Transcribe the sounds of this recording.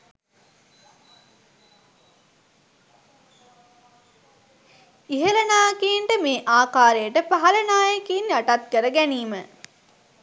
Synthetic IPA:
iɦələnaːkiːɳʈəmeːʔaːkaːɾejəʈəpaɦɐlənaːjɐkiːnjaʈat̪̚kəɾəɡæniːmə

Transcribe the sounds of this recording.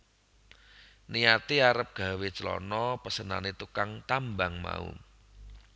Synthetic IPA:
niat̪iaɾəp̚ɡ̥a̤wet͡ʃəlɔ̰nɔpəsəna̰net̪ukaŋt̪ambaŋma̰ṵ

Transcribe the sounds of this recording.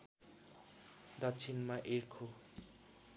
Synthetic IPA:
d̪ʌtt͡sʰinmaʔerkʰo

